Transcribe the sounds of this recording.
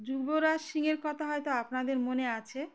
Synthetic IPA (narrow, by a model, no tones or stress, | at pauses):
d͡ʑuɾboɾaʃiŋeɾkɔt̪ʰaɦɔjt̪oapnad̪eɾmoneat͡ɕʰe